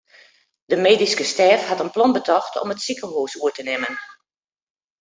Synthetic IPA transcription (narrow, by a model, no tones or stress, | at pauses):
dəmeːdiskəstɛːfhɑtənplɔnbətʰɔxtʰɔ̰mətsikənhuːsuətənɪmən